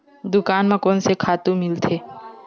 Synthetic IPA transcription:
d̪ʊkaːnmẽkɔːnsekʰaːt̪ũmɪlt̪ʰeː

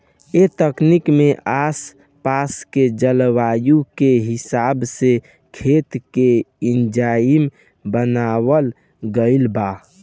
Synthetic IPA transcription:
et̪əknikmeʔas | pasked͡ʒəlwajukeɦɪsaːbse | kʰet̪keind͡ʒam | bənawəl | ɡəɪlba

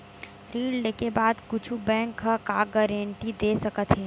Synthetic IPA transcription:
ɾiːɽleːkebaːd̪kʊt͡ʃʰubɛ̃ːŋkʰːakaːɡəɾẽɳʈid̪eːsɐkət̪ɦɛː

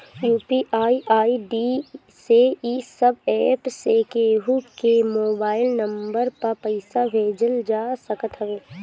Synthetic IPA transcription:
juːpiʔaːiʔaːiɖi | seisəbɛːpsekeːɦukemoːbaːɪlnɐ̃mbəɾpɐɾpəɪsabʱeːd͡ʒəld͡ʒaːsəkət̪ɦəʋeː

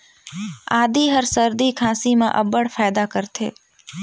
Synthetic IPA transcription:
aːd̪iɦəɾsəɾd̪ikʰãːsimẽʔəbəɽfʰaːd̪akəɾt̪ʰḛː

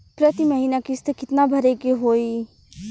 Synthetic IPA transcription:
pɾət̪iməɦiːnakist̪əkɪt̪nabʱɐɾekeɦoːi

